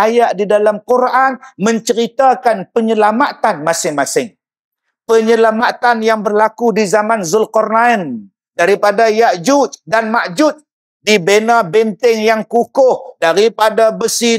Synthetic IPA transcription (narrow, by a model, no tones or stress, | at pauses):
ajaʔdidalamkuɾʔanmə̃ɲt͡ʃəɾit̪akanpəɲəlamat̪anmasɪŋmasɪŋ | pəɲəlamat̪anjaŋbərlakudizamanzʊlkɔrnaən | daɾipadajaʔd͡ʒut̪danmaʔd͡ʒʊt̪̚ | dibenabɛnt̪ɪŋjaŋkukʊhdaɾipadabəsi